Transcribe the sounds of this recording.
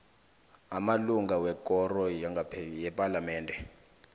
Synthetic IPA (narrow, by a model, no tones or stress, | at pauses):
amaluŋɡawɛkʼɔrɔaŋɡajɛpʼalamɛːndʱɛ